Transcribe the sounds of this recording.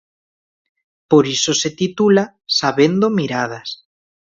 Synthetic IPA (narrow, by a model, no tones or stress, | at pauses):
poɾisoset̪it̪ula | saβend̪omiɾað̞as